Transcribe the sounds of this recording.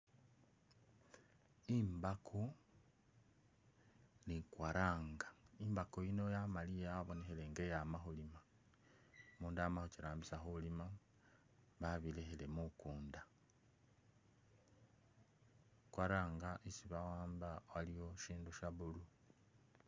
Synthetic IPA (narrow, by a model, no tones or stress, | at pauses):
imbakʰo | nikwaɾaːŋɡaimbakoino̞jamalijaaβo̞nexele̞ŋɡejamaxolima | muːndamaxociɾaːmbisaxulima | βaβilexele̞mukuːnda | kwaɾaːŋɡaʔisiβawaːmbawalijoʃiːnduʃaβulu